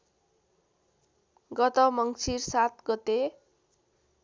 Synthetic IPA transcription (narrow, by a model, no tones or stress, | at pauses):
ɡʌt̪ʌmʌŋt͡sʰirsat̪ɡʌt̪e